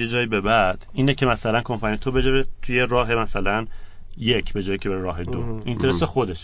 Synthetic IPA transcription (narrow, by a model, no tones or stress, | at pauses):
jed͡ʒɒːjibe̞bæd̪̥iːnecʰe̞mæsælænkʰompʰænijet̪ʰobe̞d͡ʒɒɾet̪ʰuje̞ɾɒːɦe̞mæsælæn | jecʰbe̞d͡ʒɒːjicʰee̞ɾeɾɒːɦe̞d̪oint̪ʰeɾesexo̞d̪e̞ʃ